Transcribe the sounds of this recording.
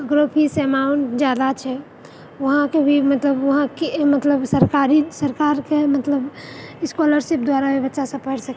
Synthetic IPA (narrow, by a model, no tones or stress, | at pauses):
ɡɾopʰisemaɳʈd͡ʒjaːd̪at͡ʃʰɛ | ʋəɦãkebʱimət̪ləbʋɐɦãkemət̪ləbsəɾkaɾisəɾkaːɾkemət̪ləbɪskɔləɾʃip̚d̪waɾabʱibətːʃasə̃pəɽsək